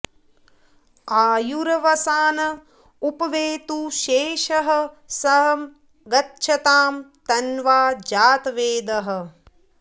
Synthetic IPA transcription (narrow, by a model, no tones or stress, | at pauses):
aːjuɾɐʋɐsaːnɐ | upɐʋeːt̪uʃeːʃɐɦɐ̆ | sɐɦɐm | ɡɐtːʃʰɐt̪aːmt̪ɐnʋaːd͡ʒaːt̪ʋeːd̪ɐɦɐ̆